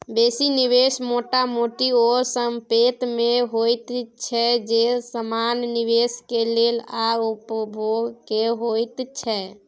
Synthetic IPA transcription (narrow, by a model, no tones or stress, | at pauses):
besiniʋesmoʈamoʈiɔɾsəmpet̪meɦojt̪t͡ʃʰɛd͡ʒesəmanːiʋeskelelaupbʱoɡkeɦojt̪t͡ʃʰɛ